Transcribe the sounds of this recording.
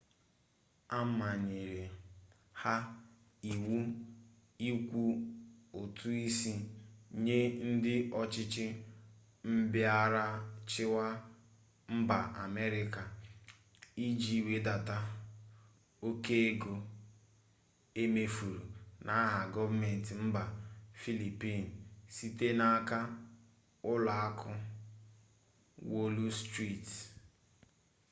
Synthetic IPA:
a˦ma˨ɲe˨ɾe˨ | ha˦ | i˨wu˦ | i˦kʷu˦o˨tʰu˦i˦si˦ɲe˦n̩˦dɪ˦ɔ˦t͡ʃɪ˦t͡ʃɪ˦ | m̩˦bɪ˦a˦ɾa˦t͡ʃɪ˦wa˦ | m̩˦ba̰˨ʔa̰˨me˦ɾɪ˦ka˨ | i˦d͡ʒi˦˨we˦da˨ta˦ | o˦ke˦e˦ɡo˨ | e˦me˦fu˨ɾu˨nʔa˨˦ɦa˨ɡɔ˦vme˨n̩˨ti˨m̩˦ba˨fi˦li˨pi˦˨n̩˨si˦te˦na˦˨a˦ka˦ | ʊ˦la˨a˦kʰʊ˦ | wo˦lu˦stɾi˦˨t

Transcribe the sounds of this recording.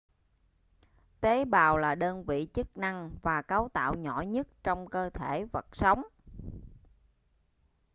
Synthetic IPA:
t̪e˨˦ɓaː˨˩wlaː˨˩ɗəː˧nvḭ˧˨t͡ɕə˦˥k̚na˧ŋvaː˨˩kaː˨˦wt̪a̰ː˧˨wɲɔ˧˩ɲə˦˥t̚t͡ɕɔ˧wŋ͡mkəː˧t̪ʰe˧˩və˨˩t̚sa˨˦wŋ͡m

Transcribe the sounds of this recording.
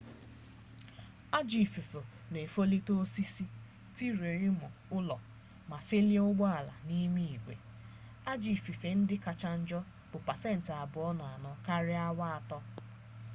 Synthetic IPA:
a˦d͡ʒi˨fi˨fo˨ | ne˨fo˦li˦to˦si˦si˦ | ti˦ɾe˨ɾɪ˦mʊ˨ʊ˦lɔ˨ | ma˨fe˦li˦e˦ʊ˦ɡ͡bɔ˦a˨la̰˨ni˦mi˦i˨kʷḛ˨ | a˦d͡ʒi˨fi˨fe˨n̩˦dɪ˦ka˨t͡ʃa˦n̩˦d͡ʒɔ˦ | b̥ʊ˨pa˨se˦n̩˨tɪ˨a˨bʊ˨ɔ˦na˨a˨nɔ˨ka˦ɾɪ˦a˦wa˦a˨tɔ˦

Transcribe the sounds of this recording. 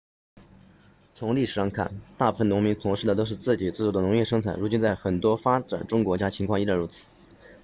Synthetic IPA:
t͡sʰʊ˧˥ŋli˥˩ʂ̩˨˩ʂɑ˥˧ŋkʰa̰˥˩nt̪a˥˧pu˥˩fə˩nʊ˧˥ŋmi˧˥ŋt͡s̪ʰʊ˧˥ŋʂɻ̩˥˩d̪ə˩t̪o˥ʊʂɻ̩˥˧t͡sɹ̩˥˩t͡ɕi˨˩t͡s̩˥˧˩ʈ͡ʂu˧˥˩d̪ə˧nʊ˧˥ŋjɛ˥˩ʂɤ˥ŋt͡sʰa˨˩ɪɻu˧˥t͡ɕi˥nt͡sa˥˩ɪxə˨˩nt̪wɔ˥fa˥ʈ͡ʂa̰˨˩nʈ͡ʂʊ˥ŋkwɔ˧˥t͡ɕja˥t͡ɕʰi˧˥ŋkʰɑ˥˧ŋi˥ɻa˥˩nɻu˧˥t͡sʰɹ̩̥˨˩˦

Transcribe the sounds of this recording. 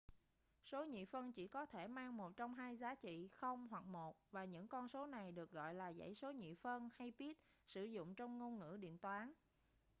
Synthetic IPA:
so˨˦ɲḭ˧˨fə˧nt͡ɕi˧˩kɔ˨˦t̪ʰe˧˩maː˧ŋmo˨˩t̚t͡ɕɔ˧wŋ͡mɦaː˧jzaː˨˦t͡ɕḭ˧˨xə˧wŋ͡mhwa˨˩k̚mo˨˩t̚vaː˨˩ɲɨ̰˧˥ŋkɔ˧nso˨˦na˨˩jɗɨ˨˩ək̚ɣɔ̰˧˨jlaː˨˩zə̰˧˥jso˨˦ɲḭ˧˨fə˧nha˧jpi˦˥ət̚ | sɨ˧˩zʊ̰˧˨ŋ͡mt͡ɕɔ˧wŋ͡mŋo˧nŋɨ̰˧˥ɗḭ˧˨ənt̪waː˨˦n

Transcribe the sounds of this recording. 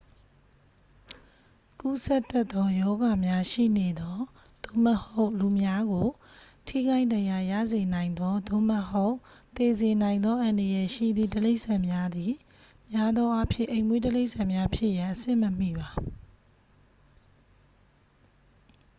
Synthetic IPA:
ku˦˨sɛ˦t̪ːɛ˦t̪ːɔ˦jɔ˦ɡa˨mja˦ʃḭ˦˨ne˨d̪ɔ˦ | d̪̥o̰˦˨mə˨ho˦ʊʔlu˨mja˦ɡo˨ | tʰḭ˦˨ɡa˦ɪ̃ndã˨ja˨jä̰˦˨ze˨nã˨ɪ̃nd̪ɔ˦d̪o̰˦˨mə˨ho˦ʊʔt̪e˨ze˨nã˨ɪ̃nd̪ɔ˦ʔã˨ndə˨jɛ˨ʃḭ˦˨d̪ðḭ˦˨təle˦ɪʔsã˨mja˦d̪i˨ | mja˦d̪ɔ̃˦ʔa˦pʰjɪ̰̃˦˨ʔẽ˨ɪ̃mwe˦təle˦ɪʔsã˨mja˦pʰjɪ˦ʔjã˨ʔəsɪ̰̃˦˨məm̥ḭ˦˨ba˨

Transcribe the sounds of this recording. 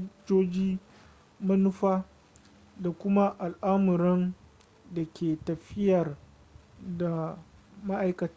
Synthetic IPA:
d͡ʒoː˦d͡ʒiː˦ | mɐ˦nʊ˦ɸaː˦ | da˨kʷʊ˦ma˦ʔa˨lʔaː˦mʊ˨ɾɛ˦n | da˨kʲʰeː˨tɐ˨ɸɪ˦jɐ˨r | da˨ | ma˦ʔa˦jkɐ˨ta˦

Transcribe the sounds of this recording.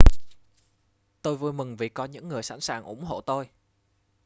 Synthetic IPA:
t̪o˧jvu˧jmɨ˨˩ŋvi˨˩kɔ˨˧ɲɨ̰˧˥ŋːɨ˨˩əjsa̰˧˥nsaː˨˩ŋʔʊ˧˩ŋ͡mɦo̰˧˨t̪o˧j

